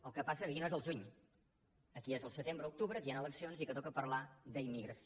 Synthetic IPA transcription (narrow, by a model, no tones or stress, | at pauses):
əlˠkəpasəkəkinoezəlˠʒuɲ | əkiezəlˠsət̪embɾəuk̚t̪uβɾət̪janəlˠəksionzikət̪ɔkəpəɾlad̪əimːiɣɾəs